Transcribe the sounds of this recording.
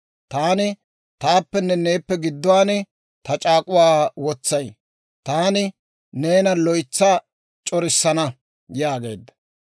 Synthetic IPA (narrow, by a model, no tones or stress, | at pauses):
t̪aːnɪ | t̪aːpːɛnːɛne̞ːpːɛɡɪd̪ːʊwaːnɪ | t̪ɐt͡ʃʼaːkʼʊwaːwɔt͡sːɐj | t̪aːnɪ | ne̞ːnɐlɔjt͡sːa | t͡ʃʼɔɾɪsːɐnɐ | jjaːɡe̞ːd̪ɐ